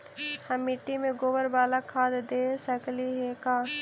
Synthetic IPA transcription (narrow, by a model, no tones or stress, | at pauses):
hɐmːɪʈːimẽɡoːbəɾbaːlakʰaːd̪d̪eːsəkliɦekaː